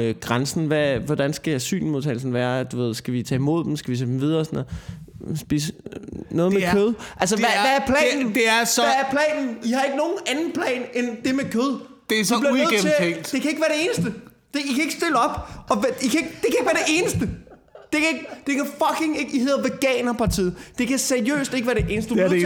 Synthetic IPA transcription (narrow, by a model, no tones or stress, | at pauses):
øɡ̥ʁansn̩ʋæʋɒd̥ænsɡ̥ææsy̰ːnmo̝ðˠt͡sʰɛɪlsn̩ʋæːɐd̥uʋe̝ð̞̰ˠsɡ̥æʋit͡sʰɛ̰ːimo̝ð̞̰ˠd̥emsɡ̥æʋit͡sʰɛ̰ːdemʋið̞ˠɐːsɒnɔ̽ð̩ | sb̥ḭːsnɔ̽ːðˠmekʰøð̞ˠʔæls̬əʋæʋææɐpʰlɛ̰nn̩d̥eæsææɐpʰlɛ̰ːnn̩ihɑ̈e̝ɡ̥əno̝ːn̩ænn̩pʰlɛ̰ːnend̥e̝mekʰøð̞ˠ | d̥esibliɐe̝eŋd̥d̥e̝kʰæe̝ɡ̥ʋæɐɾ̥e̝e̝ːnəsd̥ə | d̥e̝ikʰæe̝ɡ̥sd̥e̝ləɒ̽b̥ɒ̽ʋikʰæe̝ɡ̥d̥ekʰæeɡ̥ʋæɐd̥e̝e̝ːnəsd̥ə | d̥e̝kʰæe̝ɡ̥d̥e̝kʰæfɒ̽kʰe̝ŋe̝ɡ̥ihe̝ðˠɐʋeɡ̥ɛ̰ːnɐpʰɑ̈t͡sʰḭːð̩ˠd̥e̝kʰæseɐiø̰ːsd̥e̝ɡ̥ʋæɐd̥e̝ʔe̝ːnəsd̥ə̥